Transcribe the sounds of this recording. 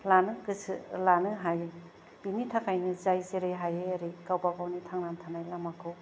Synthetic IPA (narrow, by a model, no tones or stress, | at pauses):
lanɯkɯsʰlanɯɦaj | b̥initʰakʰajnɯzajzeɾeɦajeaɾikawpaɡawnitʰaŋnantʰanajlamakʰɯw